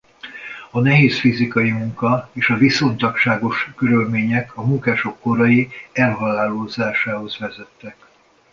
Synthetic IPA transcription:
ɒnɛɦeːsfizikɒjimuŋkɒeːʃɒviso̞nt̪ɒkʃaːɡo̞ʃkøɾølmeːɲɛkʰɒmuŋkaːʃo̞kːo̞ɾɒjiɛlɦɒlaːloːzaːʃaːɦo̞zvɛzɛt̪ːɛk

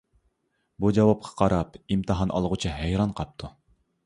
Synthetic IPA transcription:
bud͡ʒɑwɑp̚qʰɑ̥qʰɑɾɑpimt̪ʰɨɦɑnʔɑ̰lˠʁut͡ʃʰiɦæjɾɑnqʰɑp̚t̪ʰu

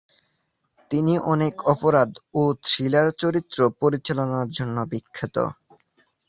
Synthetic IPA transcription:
t̪iniʔɔnekʰɔpoɾad̪ot̪ɾilaɾt͡ɕoɾit̪ːɾopoɾit͡ɕalonaɾd͡ʑonːobikʰːit̪o̰

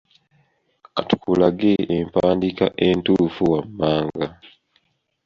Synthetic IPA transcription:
atu̥kulaɡeʔempaːndika̰ʔentufuwamːaːŋɡa

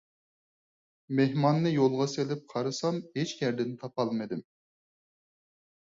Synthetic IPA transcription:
mehmɑnːɨjolˠʁɑselɪp̚qʰɑɾɨsɑmhet͡ʃkɛɾd̪ɪnt̪ʰɑpɑlˠmɨd̪ɪm

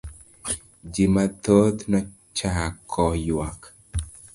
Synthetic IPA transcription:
d͡ʒimat̪ot̪nɔ | t͡ʃakʰːɔjwak

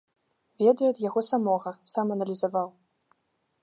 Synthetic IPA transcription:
vʲɛd̪ɐjuɐd̪jaɣɔsamɔɣɐsamɐnɐlʲizavaw

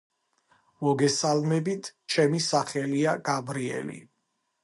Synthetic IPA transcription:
mɔɡɛsalmɛbit̪ʰt͡ʃʰɛmisaχɛliaɡ̥abɾiɛ̰lḭ

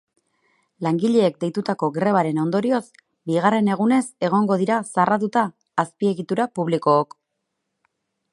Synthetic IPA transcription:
laŋɡiʎe̞ːk̚d̪e̞jt̪ut̪ako̞ɡɾe̞β̞aɾe̞no̞nd̪o̞ɾio̞s | biɣare̞ne̞ɣ̞une̞se̞ɣ̞o̞ŋɡo̞ð̞iɾasarat̪ut̪aː | spie̞ɣit̪uɾapuβ̞liko̞ːk

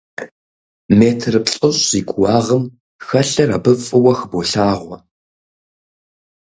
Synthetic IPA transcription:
meːtʰrɨpɬʼɐɕiːɡʷʊwɑːʁəm | xɐɬɐra̰ːbɨfʼɨwɐxboɬaːʁʷɔ

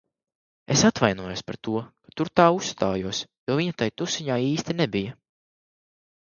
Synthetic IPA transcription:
esat̪vajnuɔjospaɾt̪uɔkḁt̪uɾt̪aːust̪aːjuɔsjuɔviɲat̪ajt̪usiɲaːiːst̪inɛbijɐ

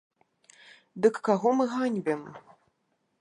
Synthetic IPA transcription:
d̪ɨkːaɣɔmɨɣanʲbʲɛm

